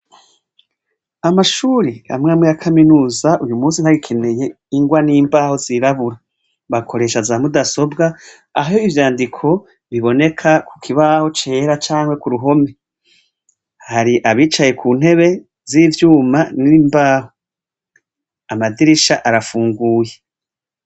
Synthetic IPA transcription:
amaʃuːɾiha̰mŋaːmŋejakʰaminuːzaʔujumuːnsin̥haɡikʰe̞ne̞je̞ | iŋɡwaniːmbaːho̞ziɾaβuɾa | βakʰo̞ɾe̞ːʃazamudaso̞bɡaː | ɦjoivjaːndikʰo̞ | βiβo̞ne̞kʰakʰu̥kʰiβaːho̞t͡ʃe̞ːɾat͡ʃaːŋwe̞kuɾuɦo̞me̞ | haɾiʔaβiːt͡ʃaje̞kʰuːn̥he̞βe̞ | zivjuːmaniimbaːho | amadiɾiʃaʔaɾafuːŋɡuːje

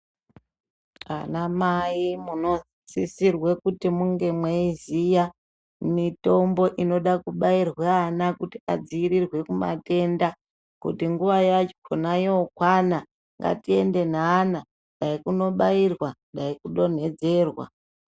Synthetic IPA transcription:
a̰namaimuno̞ | sisirwe̞kutimuŋɡe̞mwaizija | mito̞mbo̞ʔino̞ɗakuɓairweanakutiad͡ziiɾirwe̞kuma̰te̞nda | kṵtiŋɡuʋajat͡ʃo̥kʰonajeokwana | ŋɡa̰tie̞nde̞n̤aːna | nɗaikuno̞ɓairwanɗaikuɗo̞n̤e̞d͡ze̞ːrwa̰

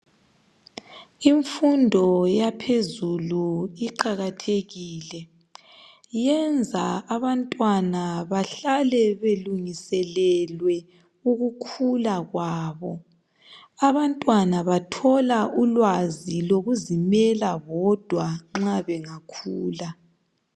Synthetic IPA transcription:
iɱfundʱɔjapʰezuluiǃaɣatʰeɣiːlɛ | jɛnd͡zʱaaβantʼwanaβaɬalɛβeluŋisɛlɛlwɛ | uɣukʰulaɣwaːβɔ | aβantʼwanaβatʰɔlaʔulwaziloɣuzimɛlaɣɔd̥ʱwaŋ͡ǁaβɛŋakʰuːla

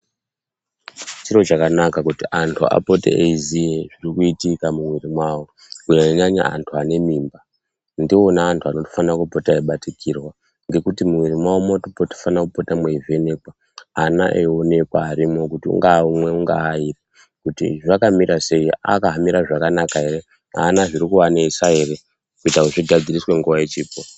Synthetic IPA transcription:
t͡ʃiɾo̞t͡ʃakanakakutiʔantʰua̰po̞tḛeizijeʐirikuitikamumwirimwawo̞ | kuɲaiɲaɲa̰a̰ntʰuane̞miːmba | ndio̞naːntʰuano̞to̥fanakupo̞taeiɓatikʰirwa | ŋɡe̞kutimuwirimwawomotopoto̥fanakupotamweive̞ne̞kwa | ana̰ʔeone̞kwaːɾimo̞kutiṵŋɡaumwe̞uŋɡaːipa | kutḭʐakamiɾase̞ia̰kaɦamiɾaʐakanakae̞re̞ | a̰naʐiɾikuwanesae̞re̞ | kuitakuʐiɡʱad͡ziriswe̞ŋɡuʋaje̞t͡ʃiːpo

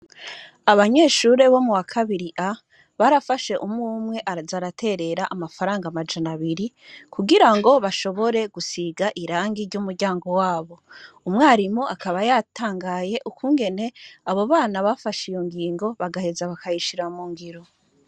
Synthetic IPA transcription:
aβaɲe̞ːʃuɾe̞βo̞muwakʰaβiɾiʔa | βaɾafaʃe̞ʔumŋuːmŋe̞ʔazaɾatʰe̞ɾe̞ɾaʔamafaɾaːŋɡamad͡ʒanaβiɾi | kʰuɡiɾaŋɡo̞βaʃo̞βo̞ɾe̞ɡusiɡaʔiɾaːŋɡiɾɟumuɾɟaːŋɡo̞waːβo̞ | umŋaːɾimuʔakaβajatʰaːŋɡaje̞ʔukʰuːŋɡe̞ne̞aβo̞βaːnaβafaʃijo̞ŋɡiːŋɡo̞βaɡahe̞zaβakʰajiʃiɾamuːŋɡiɾo̞

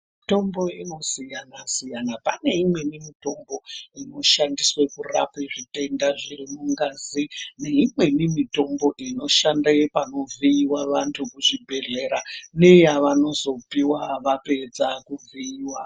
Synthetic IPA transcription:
mito̞mbo̞ino̞sijanasijanapane̞imwe̞nimito̞mbo̞ino̞ʃandiswe̞kura̰peʐite̞ndaʐirimuŋɡazine̞imwe̞nimito̞mbo̞ʔino̞ʃandapano̞viiwaʋantʰukuʐibʱe̞ɮe̞ɾane̞jaʋano̞zo̞piwaʋape̞d͡zakuviiːwa

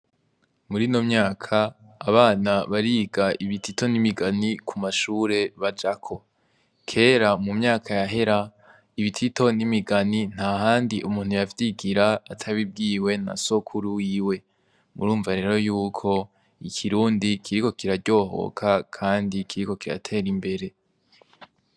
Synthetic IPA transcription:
muɾiːno̞mɲaːkʰaː | βaːnaβaɾiːɡaʔiβitʰito̞nimiɡanikʰumaʃuːɾe̞βad͡ʒakʰo̞ | kʰe̞ːɾamumɲaːkʰajaɦe̞ɾa | iβitʰito̞nimiɡanin̥haɦaːndiʔumuːn̥hujavjiɡiɾaːtʰaβib̚ɡiːwe̞na̰so̞kʰuɾuwiwe̞ | mṵɾuːɱvaɾe̞ːɾo̞juːkʰo̞ | ikʰiɾuːndikʰiɾiko̞kiɾaɟo̞ːho̞̰kʰakʰaːndikʰiɾiko̞kiɾa̰tʰe̞ːɾimbe̞ɾe̞

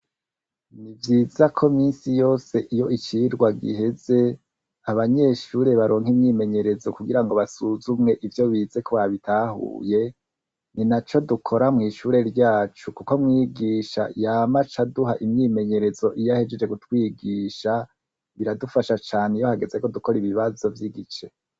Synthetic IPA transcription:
nivjiːzakʰo̞miːnsijo̞ːse̞ʔijo̞ʔit͡ʃiɾɡwaɡḭɦe̞ze̞ | aβaɲe̞ʃuːɾe̞βaɾo̞ːŋ̥imɲiːme̞ɲe̞ɾe̞zo̞kuɡiɾaŋɡo̞βasuzumŋe̞ʔivjo̞βiːze̞kʰoβaβitaːhṵːje̞ | ninat͡ʃo̞dukʰo̞ɾamŋiːʃuːɾe̞ɾɟaːt͡ʃukuko̞mŋiːɡiːʃa̰jaːmat͡ʃaduhaʔimɲiːme̞ɲe̞ɾe̞zo̞ʔijahe̞d͡ʒe̞d͡ʒekutwiːɡiːʃa | βiɾadufaʃat͡ʃaːneijohaɡe̞ze̞ko̞duko̞ɾiβiβazo̞vjiɡit͡ʃe̞

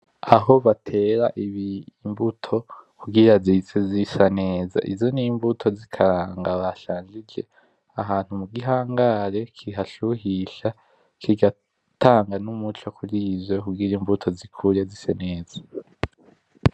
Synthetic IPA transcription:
aɦo̞βatʰe̞ːɾa̰ʔiβimbutʰo̞kuɡiɾazit͡sezisane̞ːza̰ʔḭzo̞nimbutʰo̞zikʰaɾaːŋɡaβaʃaːnd͡ʒid͡ʒe̞ | aɦaːn̥humuɡiɦaːŋɡaɾe̞kʰiɦaʃuhiʃa | kʰiɡa | taːŋɡanumut͡ʃokʰuɾizwe̞kuɡiɾimbvutʰo̞zikʰuɾezisene̞ːz̥ḁ

